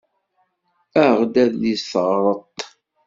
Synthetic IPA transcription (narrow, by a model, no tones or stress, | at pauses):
æʁd̪æðisθəʁɾˤət̪ˤː